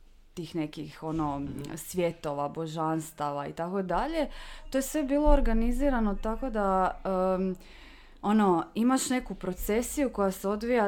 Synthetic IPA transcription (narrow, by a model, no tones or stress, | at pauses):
t̪iːxne̞kixo̞no̞sʋʲje̞t̪o̞ʋabo̞ʒanst̪aʋaḭt̪ako̞d̪aʎe̞t̪o̞je̞sʋe̞biːlˠo̞ːɾɡaniziːɾano̞t̪ako̞d̪aə | o̞no̞imaʃne̞kupɾo̞t̪se̞sijuko̞jase̞o̞d̪ʋija